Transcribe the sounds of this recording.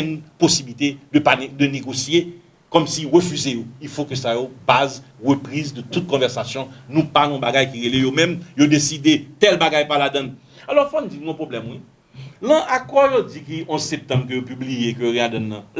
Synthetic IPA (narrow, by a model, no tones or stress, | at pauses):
nposibilit̪ed̪əpand̪əneɡosje | kɔmsiʁəfyzejoifokøsajobazʁəpʁizd̪ət̪ut̪̚kɔ̃vɛʁsasjɔ̃nũpanɔ̃baɡajkiʁelejomɛ̃mjod̪esid̪et̪ɛlbaɡajpalad̪ɐ̃n | alɔfɔnũd͡zinɔ̃pʁoblɛmwi | lɐ̃ʔakɔjod͡zikiʔɔ̃sɛp̚t̪ɑ̃bk̬øjopyblijekøiad̪ɐ̃nːɐ̃